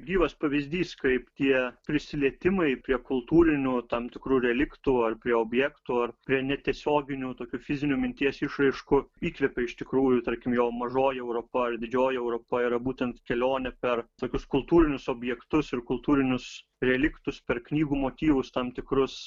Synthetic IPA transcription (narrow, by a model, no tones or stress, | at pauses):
ɡʲiːʋɐspɐʋʲɪzʲd̪ʲiːskɐɪpt̪ʲiɛpʲɾʲɪsʲɪlʲiɛt̪ʲɪmɐɪpʲɾʲiɛkʊlˠt̪uːɾʲɪnʲʊt̪ɐmt̪ʲɪkɾuːɾʲɛlʲɪkt̪uɐrpʲɾʲiɛoːbʲjɛːkt̪uɐrpʲɾʲiɛnʲɛt̪ʲiɛsʲoːɡʲɪnʲut̪oːkʲuːfʲɪzʲɪnʲumʲɪnʲt̪ʲiɛsʲɪʃrɐɪʃkʊiːkʋʲɛpʲɛɪʃt̪ʲɪkɾuːjʊt̪ɐɾʲkʲɪmjoːmɐʒoːjɪɛʊɾopɐɐrd̪ʲɪd͡ʒʲoːjɪɛʊɾoːpɐiɾɐbuːt̪ʲɛnt̪kʲɛlʲoːnʲɛpʲɛrt̪oːkʲʊskʊlˠt̪uːɾʲɪnʲʊsoːbʲjɛkt̪ʊsɪrkʊlˠt̪uːɾʲɪnʲʊs | ɾʲɛlʲɪkt̪ʊspʲɛrknʲiːɡuːmoːt̪ʲiːʋʊst̪ɐmt̪ʲɪkɾʊs